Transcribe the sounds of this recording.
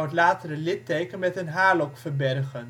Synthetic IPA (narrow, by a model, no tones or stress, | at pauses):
wətlaːtərəlɪtejkənmɛtənɦaːlɔkfəɹbɛrχən